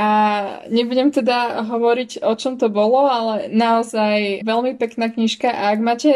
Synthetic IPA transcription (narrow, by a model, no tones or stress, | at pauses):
aɲɛbuɟɛmt̪ɛd̪aɦɔʋɔɾiɟɔt͡ʃɔmt̪ɔbɔlɔalɛnaɔzajʋɛlmipɛknaːkɲiʃkaʔaːɡmaːcɛ